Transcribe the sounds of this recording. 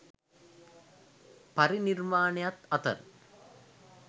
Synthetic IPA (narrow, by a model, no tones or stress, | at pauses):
pɐɾiniɾmaːɳjɐt̪ɐt̪ɐ̰ɾ